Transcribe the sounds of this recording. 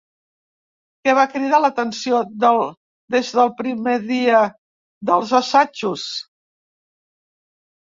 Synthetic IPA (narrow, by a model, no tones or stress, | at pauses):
kɛβ̞akɾið̞alət̪ənsioðəl | ðezðəlˠpɾimeðiə | ðəlˠzəsat͡ʃus